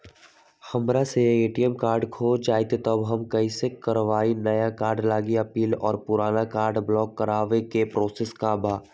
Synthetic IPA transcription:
hɐmɾaseeːʈiɛmkaːɾɖkʰoːd͡ʒaːjt̪et̪ɐbɦɐmkɐisekɐɾʋaːinɐjakaːɾɖlaːɡiɐpiːlɔ̰ːɾpʊɾaːnakaːɾɖblɔːkːɐɾaːʋekepɾɔːseskabʱaː

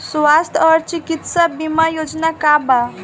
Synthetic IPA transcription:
sʋast̪ʰɔɾt͡ʃikit̪sabimajod͡ʒnakaba

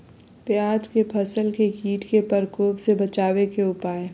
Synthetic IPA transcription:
pjaːd͡ʒkepʰɐsəlkekiːʈkepɐɾkoːpsebɐt͡ʃaːʋekeʊpaːe

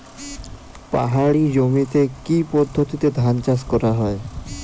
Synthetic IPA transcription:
pa̰ɦaɽid͡ʑomit̪ekipɔd̪ʱːot̪it̪ed̪ʱant͡ɕaskɔɾaɦɔe

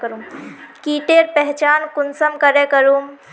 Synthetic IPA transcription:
kəɾumkiʈeɾpɛɦt͡ʃaːnkunsəmkəɾekəɾum

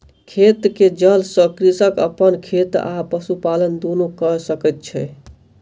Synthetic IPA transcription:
kʰet̪ked͡ʒəlsəkɾisəkəpənkʰet̪a̰pəsupalənd̪onokəsəkɛt̪̚t͡ʃʰɛ

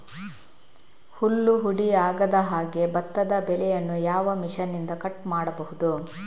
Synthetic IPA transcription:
hulːuɦuɽiaːɡɐd̪ɐɦaːɡe̞bɐt̪ːɐd̪ɐbɛlɛjɐnːujaːʋɐmiʂɐnːind̪ɐkɐʈmaːɽɐbɐɦud̪u

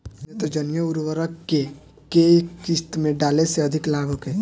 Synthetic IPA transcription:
et̪od͡ʒənjəuɾʋəɾəkkːe | kekːɪst̪mẽɖaːleseɐd̪ʱɪklaːɡoke

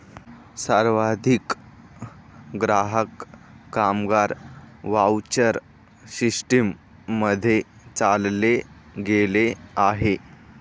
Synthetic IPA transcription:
saɾʋad̪ʱik | ɡɾaɦəkːamɡaɾʋawt͡ɕəɾ | ɕiʂʈimː | əd̪ʱːje | t͡salle | ɡeleaɦe

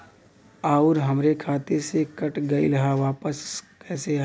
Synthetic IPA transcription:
aːʊɾɦɐmɾekʰaːt̪esekɐʈɡɐḭlɦaʋaːpəskɛːseɦ

